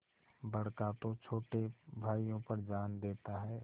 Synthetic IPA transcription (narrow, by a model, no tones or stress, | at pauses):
bɐɽkat̪ot͡ʃʰoːʈebʱaːijõpəɾd͡ʒaːnd̪eːt̪aɦɛː